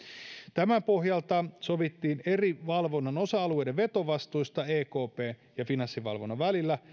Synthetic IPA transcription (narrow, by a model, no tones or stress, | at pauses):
t̪æmæpo̞ɦjɑlt̪ɑsoʋit̪ːiːne̞riʋɑlʋo̞nːɑno̞sɑɑlue̞jdeʋʋe̞t̪o̞ʋɑst̪ujst̪ɑeːko̞ːpeːn | jɑfinɑsːiʋɑ̰lʋo̞nːɑʋælilːæ